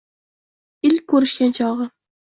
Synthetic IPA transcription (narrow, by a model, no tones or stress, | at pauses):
ɪlkʰɵɾɪʃkʲant͡ʃʰɒʁɨ